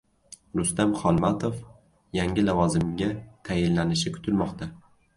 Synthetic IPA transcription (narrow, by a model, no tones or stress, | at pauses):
ɾʊst̪amχɒlˠmat̪ʰof | jaŋʲɪlavɒzɪmɡʲat̪ʰajɪlːanɪʃɪkʰʊ̥t̪ʰɪlmɒqt̪ʰa